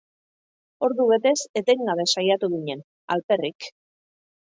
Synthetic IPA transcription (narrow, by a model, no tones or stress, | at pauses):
o̞ɾðuβe̞t̪e̞se̞t̪e̞ŋɡaβe̞sajat̪uɣiɲe̞n | a̰lpe̞rik